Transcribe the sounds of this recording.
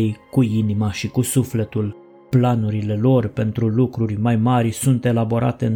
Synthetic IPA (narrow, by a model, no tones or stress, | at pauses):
ejkuinimaʃikusufle̞t̪ul | planuɾile̞lo̞rpe̞nt̪ɾulukɾurʲmajmarʲsunt̪e̞labo̞ɾa̰t̪e̞ɨn